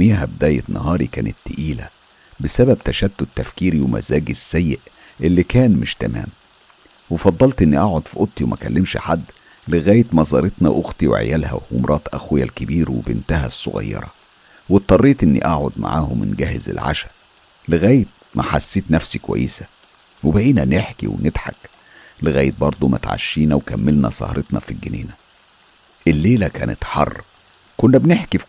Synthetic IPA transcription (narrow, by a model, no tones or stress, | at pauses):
miːɦæbed̪æːjet̪nɑhɑːɾikæːnet̪ːeʔiːlæ̰ | besæbæb̚t̪æʃæd̪ːod̪̚t̪ːæfkiːɾiwemæ̰zæːɡesːæjːeʔ | ʔelːikæːnmeʃt̪æmæ̰ːm | wefɑd̪ˤːɑlt̪ʔenːiʔaʕod̪fiʔot̪ˤːiwemækælːemʃħad̪ː | leɣæːjet̪mɑzˤɑ̰ːɾˤet̪nɑʔoxt̪iwḛʕḛjælhæ̰wwo̰mɾˤʔɑːt̪ˤʔæxwjælkebiːɾwebent̪æhæsˤːo̰ɣɑ̰jːɑ̰ɾˤɑ̰ | wet̪ˤːɑrˤːiːt̪ʔenːḭʔaʕod̪ma̰ʕa̰ːhomɪ̰nɡæːhezḛlʕa̰ʃæ̥ | leɣæːjet̪̚mʔæħasːeːt̪næfsikowæ̰jːesæ̥ | webæʔiːnæneħkḭwenet̪ħa̰k | leɣæːjet̪̚bɑɾˤd̪ˤomʔæ̰t̪ʕa̰ʃːiːnæwekæmːelnæsˤɑ̰hɑɾˤʔet̪nɑfilɡenḛːnæ | ʔelːeːlækæːnet̪ħɑ̰rˤː | konːæbneħki